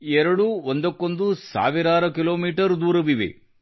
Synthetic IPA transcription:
ɛɾɐɽuond̪ɐkːo̞nd̪usa̰ːʋiɾaːɾɐkilo̞ːmiːʈɐɾd̪uːɾɐʋiʋḛ

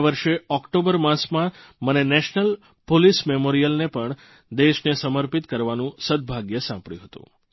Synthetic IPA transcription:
ʋəɾʃeɔkʈobəɾmãsmãmənenɛʃnəl | polismemoɾijəlnepəɳ | d̪eʃnesəməɾpit̪kəɾʋanũsəd̪̚bʱaɡjəsãmpɽɭjṵ̃ɦət̪ṵ̃

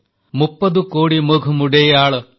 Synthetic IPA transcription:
mupːɐd̪ukoːɽimuɡʱumuɽejaːɭɐ

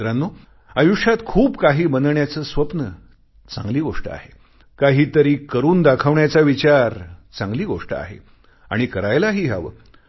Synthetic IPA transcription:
ɾanːu | əjuʂat̪kʰuːbkaɦiːbənd̪ɳjat͡səːsʋəpnə | t͡sã̰ŋɡliːɡoʂʈə̰a̰ɦe | kaɦiːt̪əɾiːkəɾuːnd̪akʰəʋɳjat͡saʋit͡ɕaɾt͡sãŋɡliːɡoʂʈə̰a̰ɦḛ | a̰ɽ̃ikəɾajlaɦiːɦa̰ʋə̰

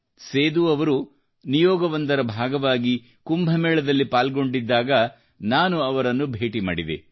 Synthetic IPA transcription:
seːd̪uɐʋɐɾu | nijɔːɡɐʋɐnd̪ɐɾɐbʱaːɡɐʋaːɡi | kumbʱɐmɛːɭɐd̪ɐlːipaːlɡo̞ɳɖid̪ːaːɡɐ | naːnuɐʋɐɾɐnːubʱeːʈima̰ːɽid̪ḛ

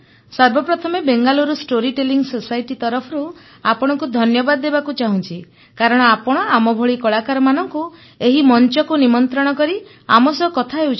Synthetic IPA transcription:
sɔɾbɔpɾɔt̪ʰɔmebeŋɡaluɾusʈoɾiʈeliŋɡsosajʈit̪ɔɾɔpʰɔɾu | apɔɽ̃ɔŋkud̪ʱɔnjɔbad̪ɔːebakut͡ʃaɦũnt͡ʃʰi | kaɾɔɽ̃ɔapɔɽ̃ɔamɔbʱɔɭikɔɭakaɾɔmanɔŋku | eɦimɔnt͡ʃɔkunimɔnt̪ɾɔɽ̃ɔkɔɾi | amɔsɔɔkɔt̪ʰaɦeut͡ʃʰ

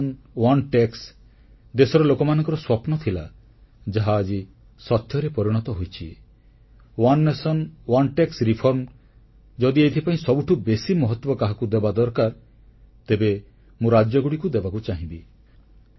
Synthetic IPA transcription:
n | wanʈeks | d̪esɔɾɔlokɔmanɔ̃ŋkɔɾɔswɔpnɔt̪ʰila | d͡ʒaɦaːd͡ʒi | sɔt̪jɔɾepɔɾiɽ̃ɔt̪ɔɦojt͡ʃʰi | wanːesɔnwanʈeksɾipʰɔɾm | d͡ʒɔd̪iet̪ʰipaĩsɔbuʈʰubesimɔɦɔt̪wɔkaɦakud̪ebad̪ɔɾkaɾ | t̪ebe | mũɾad͡ʒjɔɡuɽikud̪ebakut͡ʃaɦĩbi

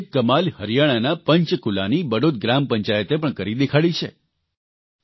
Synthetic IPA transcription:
kəmalhəɾjaɽ̃anapəɲt͡ʃkulanibəɽot̪̚ɡɾampəɲt͡ʃajət̪epəɳkəɾid̪ekʰaɭit͡ʃʰe

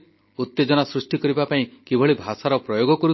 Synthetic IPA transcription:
ut̪ːed͡ʒɔnasɾusʈikɔɾibapaĩkebʱɔɭibʱasaɾɔpɾɔjoɡɔkɔɾu

